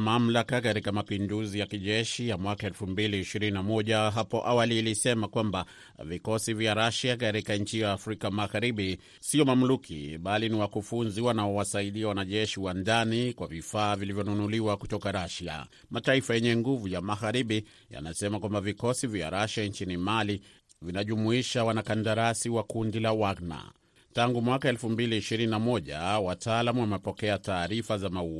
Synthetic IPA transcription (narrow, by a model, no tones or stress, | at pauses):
mam̩lakakatikamapinduzijakiʄɛʃijamwakaɛlfumbiliːʃiɾininamɔʄaɦapɔʔawaliːlisɛmakwamba | vikɔsivjaɾaʃakaɾikaɲ̩t͡ʃijaːfɾikamaɣaɾiɓi | siɔmam̩lukʰḭɓaliniwakufunziwanaɔwasaiɗiawanaʄɛʃiwandanikwavifaːvilivjɔnunuliwakutɔkaɾaʃa̰ | mataifajɛɲɛŋɡuvujamaɣaɾiɓi | ja̰nasɛmakwambavikɔsivja̰ɾaʃant͡ʃinimali | vinaʄumuiʃawanakandaɾasiwakundilawaɡna̰ | taŋɡumwakaɛlfumbiliːʃiɾininamɔʄa̰wataːlamuwamɛpɔkɛataːɾifazamaua